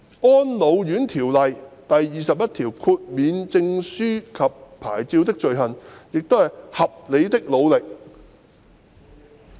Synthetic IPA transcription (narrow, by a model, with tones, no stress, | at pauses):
ɔː˥nlo˨˧wjyː˨˥nt̪ʰiː˨˩wlɐ˨jt̪ɐ˨jːiː˨˩sɐ˨p̚jɐ˥t̚t̪ʰiː˨˩wkʰuː˧t̚miː˨˧nt͡sɪ˧ŋsyː˥kʰɐ˨pʰːaː˨˩jt͡siː˧wt̪ɪ˥k̚t͡ʃɵ˨ɥhɐ˨˩njɪ˨k̚t̪o˥whɐ˨jhɐ˨p̚le˨˧jt̪ɪ˥k̚lo˨˧wlɪ˨k̚